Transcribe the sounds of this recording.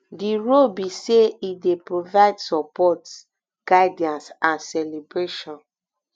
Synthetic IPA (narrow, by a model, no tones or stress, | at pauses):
diɹolbiseidepɹovaɪdsɔpɔt | ɡ̥aɪdiãnsãnsɛlebɹeʃɔ̃n